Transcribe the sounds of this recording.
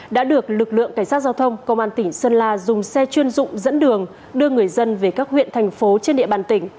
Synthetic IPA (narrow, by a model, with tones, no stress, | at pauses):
ɗa̰ː˧˥ɗɨ˨˩ək̚lɨ˨˩k̚lɨ̰˧˨əŋkːa˧˩ŋ̟sa˦˥t̚zaː˧wt̪ʰə˧wŋ͡mkə˧wŋ͡mʔaː˧nt̪ï˧˩ŋsəː˧nlaː˧zʊ˨˩ŋ͡msɛ˧t͡ɕwi˧ənzʊ̰˧˨ŋ͡mzə̰˧˥nɗɨ˨˩əŋ | ɗɨ˧əŋɨ˨˩əjzə˧nve˨˩kaː˦˥k̚hwḭ˧˨ənt̪ʰɛ˨˩jŋ̟fo˨˦t͡ɕe˧nɗḭ˧˨əɓaː˨˩nt̪ï˧˩ŋ̟